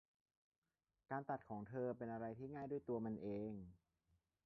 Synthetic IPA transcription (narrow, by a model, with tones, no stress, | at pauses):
kaː˧nt̪a˨˩t̪̚kʰɔː˩˦ŋt̪ʰɤː˧pe˧nʔa˧ɾa˧jt̪ʰiː˥˩ŋaː˥˩jdu˥˩əjt̪u˧ɐma˧nʔeː˧ŋ